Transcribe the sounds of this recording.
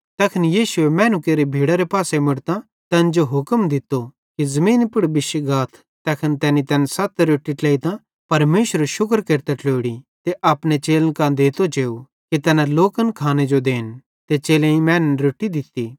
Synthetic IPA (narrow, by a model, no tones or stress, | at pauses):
t̪ɐkʰənjiːʃʊemɛ̃ːnukeːɾibʱiːɽaɾepaːsemɪɽt̪ã | t̪ɛːnd͡ʒoɦʊkəmd̪ɪt̪ːo | kizɐmĩːnpʊɽbɪʃɡaːt̪ʰ | t̪ɛːkʰənt̪ɛːnit̪ɛːnsɐt̪ɾoːʈiʈlɛːit̪ã | pɐɾmeːʃəɾeʃʊkɾkeːɾt̪aʈloːɽit̪eʔɐːpnet͡ʃeːlənkãd̪eːt̪ot͡ʃeːu | kit̪ɛːnaloːkənkʰaːned͡ʒod̪eːn | t̪et͡ʃeːlẽĩmɛ̃ːnnɾoːʈːid̪ɪt̪ːi